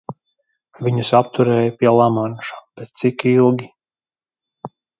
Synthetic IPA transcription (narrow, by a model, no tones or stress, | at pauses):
vʲiɲusap̚t̪uɾɛːjapʲiɛlˠamanʃab̥et̪sikilˠɡʲi